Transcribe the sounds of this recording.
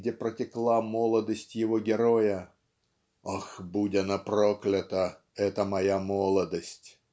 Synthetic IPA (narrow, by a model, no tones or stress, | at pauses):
dʲepɾətʲɪklˠamolˠəd̪əsʲtʲjɪvoɡʲɪɾojə | axbudʲɐnɐproklʲɪt̪ə | ɛt̪əmɐjamolˠəd̪əsʲtʲ